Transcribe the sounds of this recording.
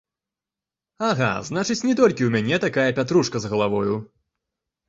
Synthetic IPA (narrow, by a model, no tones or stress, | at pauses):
aɣa̰znat͡ʂɨt͡sʲnʲɛt̪ɔlʲkʲiwmʲanʲɛt̪akajɐpʲat̪ɾuʂkɐzɣɐlˠavɔju